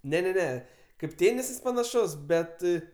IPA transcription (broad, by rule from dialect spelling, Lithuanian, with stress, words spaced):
nʲɛ nʲɛ ˈnʲɛ kɐɪp ˈtʲeːnʲɪsɐs pɐnɐˈʃʊs ˈbʲɛt